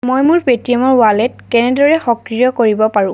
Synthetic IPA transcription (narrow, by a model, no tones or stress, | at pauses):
mojmʊɹpetɹijɔmɔɹwalɛt̚kɛnɛdɔɹɛxɔkɹijɔkoɹibɔpaɹʊ̃